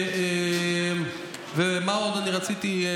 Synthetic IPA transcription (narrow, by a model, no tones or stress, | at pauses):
e | vemao̞d̪aniʁat͡sit̪i